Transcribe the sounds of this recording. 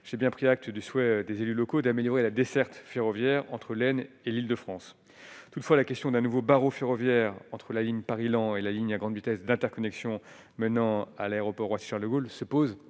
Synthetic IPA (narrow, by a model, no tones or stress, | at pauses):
ʒ̥ebjɛ̃pχiak̚t̪d̪yswɛd̪ezelylɔkod̪ameljɔʁelad̪esɛʁt̪feʁɔvjɛʁɑ̃t̪χəlɛn | elild̪əfχɑ̃s | t̪ut̪fwalakʲɛst̪jɔ̃d̪ɛ̃nuvobaʁofeʁɔvjɛʁɑ̃t̪χəlaliɲpaʁilɑ̃elaliɲaɡʁɑ̃d̪vit̪ɛsd̪ɛ̃t̪ɛʁkɔnɛksjɔ̃ | mənɑ̃alaeʁɔpɔʁwasi̥ʃaʁləɡolsəpoz